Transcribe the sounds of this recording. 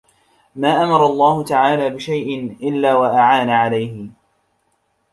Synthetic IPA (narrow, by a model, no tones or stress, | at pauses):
maːʔamɑɾˤɑlˤːɑːhʊt̪aʕaːlaːbɪʃajʔɪnʔɪlːaːwaʔaʕaːnaʕalajhɪ